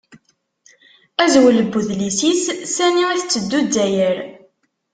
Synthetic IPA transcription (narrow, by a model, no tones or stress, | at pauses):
æzwələbːuðlisissæniæθət͡sːəd̪ːud̪ːæjəɾ